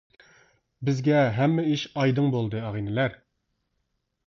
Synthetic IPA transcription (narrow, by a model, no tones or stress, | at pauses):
bɪzɡʲɛɦɛmːɛiʃɑjd̪ɨŋbolˠd̪ɨɑʁinɪlæɾ